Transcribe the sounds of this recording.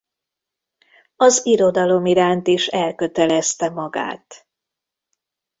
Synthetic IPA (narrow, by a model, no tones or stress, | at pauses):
ɒziɾo̞d̪ɒlo̞miɾaːnt̪iʃɛlkø̞t̪ɛlɛst̪ɛmɒɡa̰ːt̪